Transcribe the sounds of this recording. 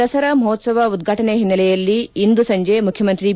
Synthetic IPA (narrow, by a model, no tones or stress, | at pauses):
ɐsɐɾɐmɐɦot̪sɐʋɐud̪ɡʱaːʈɐneɦinːɐlɛjɐlːiːnd̪usɐɲd͡ʒemukʰjɐmɐnt̪ɾi